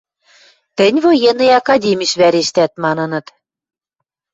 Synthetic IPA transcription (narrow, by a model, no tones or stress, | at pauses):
t̪ɘ̆nʲβojenɤ̆jɑkɑdʲemʲiʃβæɾeʃt̪æt̪̚mɑnɤ̆nɤ̆t̪